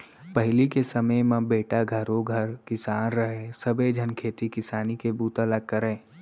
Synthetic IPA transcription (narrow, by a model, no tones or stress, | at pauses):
pəɦɪlikesəməjmãbeːʈaɡʱəɾõɡʱəɾkɪsaːnɾəɦesəbed͡ʒʱənkʰeːt̪ikɪsaːnikebuːt̪ələk̚kːəɾɛː